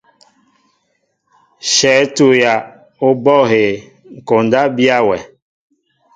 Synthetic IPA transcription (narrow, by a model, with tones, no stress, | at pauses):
ʃɛ˨˦tu˨ja˨ | o˦bɔ˦˨he˨ | ŋ̩˨ko˨nda˦bi˦a˦wɛ˨